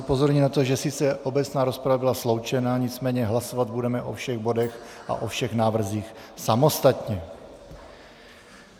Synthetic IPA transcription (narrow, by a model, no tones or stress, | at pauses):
upo̞zoɾɲinat̪o̞ʒɛsɪt͡sɛʔo̞bɛt͡snaːɾospɾavabɪlaslo̞wt͡ʃɛnaɲɪt͡smɛːɲɛɦlasovad̪̚budɛmɛʔo̞̰fʃɛɣbo̞dɛxʔa̰ʔofʃɛxnaːvr̩ziːxsamo̞st̪at̪ɲɛ